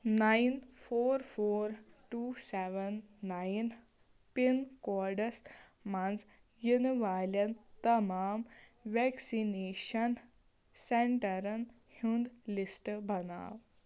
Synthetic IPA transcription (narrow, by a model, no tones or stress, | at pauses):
nainfoːɾfoːɾʈusɛʋənːain | pinkɔɾɖəs | mand͡z | jinʋalant̪ɐmaːmʋɛksineɕən | seɳʈəɾən | hũnd̪lisʈbʱəna̰ːʋ